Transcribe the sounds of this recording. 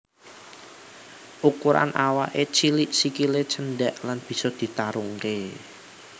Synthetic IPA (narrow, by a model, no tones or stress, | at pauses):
ʔukuɾa̰nʔawa̰ʔet͡ʃiliʔsikilet͡ʃənɖaʔlanb̥i̤sɔd̪̥i̤t̪aɾuŋke